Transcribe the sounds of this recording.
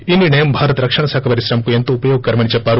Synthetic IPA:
inːinɐjɐmbʱaːɾɐt̪ɾɐkʂɐɳɐsaːkʰɐpɐɾiʃɾɐmɐkuent̪uːpɐjoːɡ̚kɐɾɐmɐɳit͡ʃɐpːaːɾu

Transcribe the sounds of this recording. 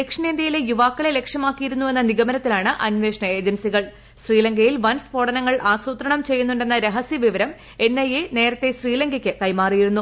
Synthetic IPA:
lekʂɐneːnd̪jɐjile̞juʋaːkːɐɭe̞le̞kʂɐmaːkːijiɾunːue̞nːɐniɡɐmɐnɐt̪ːilaːɳɨʔɐnʋe̞ːʂɳɐe̞ːd͡ʑɐnsiɣɐɭ | ɕriːlɐŋɡɐjilʋɐnspoːɽɐnɐŋːɐɭʔaːsuːt̪ɾɐɳɐmt͡ɕe̞jːunːuɳɖe̞nːɐɾeɦɐsjiɐʋiʋɐɾɐm | e̞nːɐjene̞ːɾɐt̪ːe̞ɕriːlɐŋɡɐkʲːɨkɐjmaːrijiɾunːu

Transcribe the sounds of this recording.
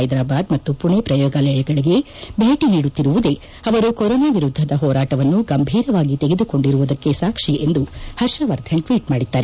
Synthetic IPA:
ɐjd̪ɾaːbaːd̪mɐt̪ːupuɳepɾɐjɔːɡɐlɛjɐɡɐɭiɡe̞ | bʱeːʈiniːɽut̪ːiɾuʋud̪e̞ | ɐʋɐɾukɔɾɔːnaːʋiɾud̪ʱːɐd̪ɐɦɔːɾaːʈɐʋɐnːuɡɐmbʱiːɾɐʋaːɡit̪eɡe̞d̪uko̞ɳɖiɾuʋud̪ɐkːe̞saːkʂiʔe̞nd̪uhɐɾʃɐʋɐɾd̪ʰʱɐɳʈʋiːʈmaːɽid̪ːaːɾe

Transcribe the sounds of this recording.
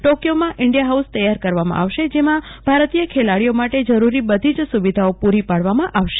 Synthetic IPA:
ʈokjomãʔɪɳɖijaɦaust̪əjaɾkəɾʋamã̰ʔaʋʃed͡ʒemãb̥ʱaɾt̪ijəkʰelaɽijomaʈed͡ʒəɾuɾibəd̪ʱid͡ʒsuʋid̪ʱaopuɾipaɽʋamãʔaʋʃe̥

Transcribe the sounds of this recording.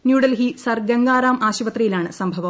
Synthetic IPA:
njuːɽɐlɦisɐrɡɐŋɡaːɾaːmaːɕiʋɐt̪rɐjilaːɳɨsɐmbʱɐʋɐ

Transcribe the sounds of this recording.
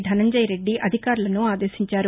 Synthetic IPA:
d̪ʱɐnɐɲd͡ʒɐjɾe̞ɖːiʔɐd̪ʱikaːɾulɐnuaːd̪eːʃiɲt͡ʃaːɾu

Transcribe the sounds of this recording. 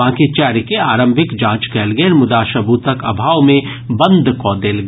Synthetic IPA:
ãːkit͡ʃɛːɾkeaːɾə̃mbʱɪkd͡ʒãːt͡ʃkɛːlɡɛnmʊd̪aːʃɐbuːt̪əkɐbʱaːʋmẽ | bɐ̃nd̪ʱkɔːd̪eːlɡ

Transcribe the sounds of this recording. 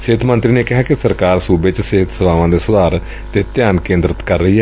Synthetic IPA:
seːt̪ʰmə̃nt̪ɾiːneːkɪɦaːkɪsəɾkaːɾsuːbet͡ʃseːt̪ʰsəʋaːʋãːd̪eːsʊd̪aːɾ | t̪eːt̪jaːnkẽːnd̪ɾət̪kəɾːəɦiːɦɛː

